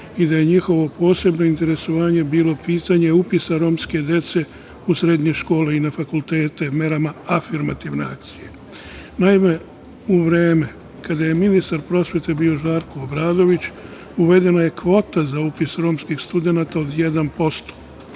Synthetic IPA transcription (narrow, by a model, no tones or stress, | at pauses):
id̪aje̞ɲixo̞ʋo̞po̞ːse̞bno̞int̪e̞ɾe̞soʋaːɲe̞biːlo̞piːt̪aɲe̞upisaɾo̞ːmske̞d̪je̞t̪se̞ | usɾed̪ɲe̞ʃko̞ːleinafakult̪e̞ːt̪eme̞ɾamaafiɾmat̪iʋne̞̰ak̚t̪sije̞ | naime̞ | uʋɾeːme̞ | kad̪aje̞minist̪aɾpɾo̞sʋje̞t̪ebiːo̞ʒaːɾko̞ːbɾaːd̪o̞ʋit͡ɕ | uʋe̞d̪e̞naje̞kʋo̞ːt̪azaupisɾo̞ːmskixst̪ud̪e̞nat̪ao̞d̪je̞d̪anpo̞st̪o̥